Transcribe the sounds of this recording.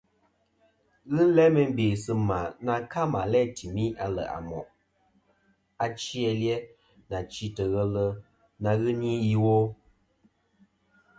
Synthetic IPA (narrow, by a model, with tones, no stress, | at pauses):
ɣɨ˦lɛ˦mə˨˦m˦be˨sɨ˦ma˨na˨ka˦ma˨lɛ˦˨tʰi˨mi˦a˨lə̰˨ʔa̰˨mɔ̰˨ʔ | a˨t͡ʃi˦ɛ˨ljɛ˦ | na˨t͡ʃi˦tə˨ɣə˦lə˦ | na˨ɣɨ˦ni˦ji˦wo˦